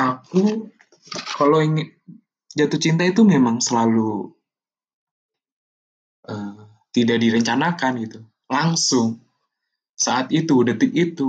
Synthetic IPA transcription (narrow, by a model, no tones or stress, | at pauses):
ʔaku | kaloiŋɪ | d͡ʒat̪ʊht͡ʃint̪ait̪umemaŋsəlalu | ʔəː | t̪idaʔdiɾəɲt͡ʃanakanɡit̪u | laŋsʊŋ | saʔat̪it̪udət̪ɪk̚it̪u